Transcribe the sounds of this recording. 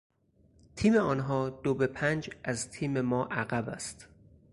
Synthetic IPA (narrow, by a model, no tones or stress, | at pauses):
t̪ʰiːmeɒːnɦɒːd̪̥obe̞pʰænd͡ʒʔæzt̪ʰiːme̞mɒːʔæɣæbæst̪